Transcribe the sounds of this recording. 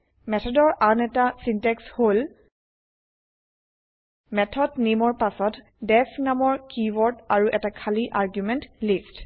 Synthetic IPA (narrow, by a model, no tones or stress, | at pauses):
mɛtʰɔdɔɹʔanɛtasintɛkshol | mɛtʰɔdnimɔɹpasɔt | dɛsnamɔɹkiwɔɹdaɹuʔɛtakʰaliʔaɹɡjumɛntlist